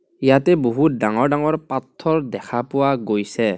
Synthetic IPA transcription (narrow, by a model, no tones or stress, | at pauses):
ijatɛboɦut̚daŋɔɹdaŋɔɹpatʰːɔɹdɛkʰapʊwaɡojsɛ